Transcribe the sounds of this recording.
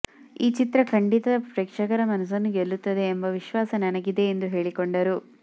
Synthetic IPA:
iːt͡ʃit̪ɾɐkʰɐɳɖit̪ɐɐpɾeːkʂɐkɐɾɐmɐnɐs̬ɐnːuɡelːut̪ːɐd̪e̞ːmbɐʋiʃʋaːsɐnɐnɐɡid̪e̞ːnd̪uɦe̞ːɭikoɳɖɐɾu

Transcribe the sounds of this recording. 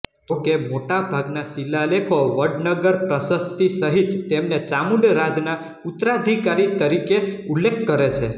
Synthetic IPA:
d͡ʒokemoʈabʱaɡnasilːalekʰoʋəɖnəɡəɾpɾəsəst̪isəɦit̪ːemnet͡ʃamuɖɾad͡ʒna | ut̪ɾad̪ʱikaɾit̪əɾikeulːekʰkːəɾet͡ʃʰe

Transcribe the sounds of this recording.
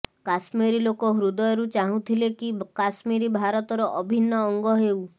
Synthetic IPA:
kasmiɾilokɔɦɾud̪ɔjɾut͡ʃaɦũt̪ʰilekikasmiɾibʱaɾɔt̪ɔɾɔʔɔbʱinːɔːŋɡɔɦew

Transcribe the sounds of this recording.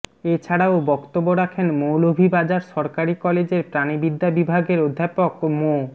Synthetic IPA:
et͡ɕʰaɽaobɔkt̪obːoɾakʰenmolobʱibad͡ʑaɾʃɔɾkaɾikɔled͡ʑeɾpɾanibid̪ʱːabibʱaɡeɾod̪ʱːapokmo

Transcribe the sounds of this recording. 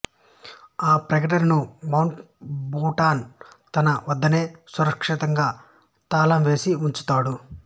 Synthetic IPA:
aːpɾɐɡɐʈ̬ɐɾnumɐwɳʈ | buːʈaːnt̪ɐnɐʋɐd̪ːɐne̞ːsuɾɐkʂit̪ɐŋɡaː | t̪aːlɐmʋe̞ːsiuɲt͡ʃu̥t̪aːɽu

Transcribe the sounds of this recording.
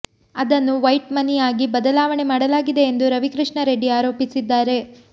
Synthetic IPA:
ɐd̪ɐnːuʋɐjʈmɐnijaːɡibɐd̪ɐlaːʋɐɳemaːɽɐlaːɡid̪e̞ːnd̪uɾɐʋikɾiʂɳɐɾe̞ɖiaːɾo̞ːpisid̪ːaːɾe̞

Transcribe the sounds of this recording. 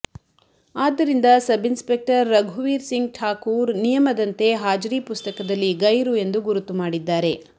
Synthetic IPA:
aːd̪ːɐɾind̪ɐsɐbinspe̞k̚ʈɐɾːɐɡʱuʋiːɾsiŋɡʈʰaːkuːɾnijɐmɐd̪ɐnt̪e̞ɦaːd͡ʒɾiːpust̪ɐkɐd̪ɐlːiɡɐjɾue̞nd̪uɡuɾut̪ːumaːɽid̪ːaːɾe̞

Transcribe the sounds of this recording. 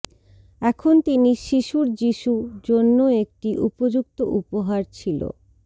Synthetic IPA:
ɛkʰont̪iniʃiʃuɾd͡ʑiʃud͡ʑonːoek̚ʈiʔupod͡ʑuk̚t̪oʔupoɦaɾt͡ɕʰilo̰

